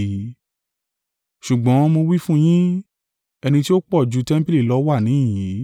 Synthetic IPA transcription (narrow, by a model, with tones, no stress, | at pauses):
ʃu˨ɡ͡bɔ̃˨˦˧mo˧wi˦fũ˦j̃ĩ˦ | ɛ˧nĩ˧ti˦o˦k͡pɔ˦˨d͡ʒu˨˧tɛ˦m̩˦pi˦li˦˨lɔ˦wa˦˨nĩ˨˦˨ji˨˦